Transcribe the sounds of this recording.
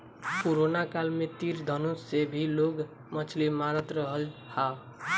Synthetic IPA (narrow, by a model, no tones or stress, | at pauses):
koɾonakalmet̪iɾd̪ʱənusebʱiloɡ | mət͡ʃʰlimaɾət̪ɾʌɦəlha